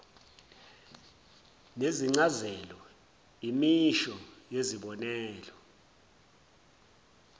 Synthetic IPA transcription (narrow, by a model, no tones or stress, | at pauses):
neziŋ͡ǀazɛlɔ | imiʃɔjeziɓɔnɛːlɔ